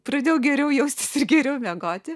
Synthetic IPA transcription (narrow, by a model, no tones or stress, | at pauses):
pɾɐd̪ʲeːjɛʊɡʲɛɾʲɛʊjɛʊsʲt̪ʲɪ̥sɪrɡʲɛɾʲɛʊmʲɛɡoːt̪ʲɪ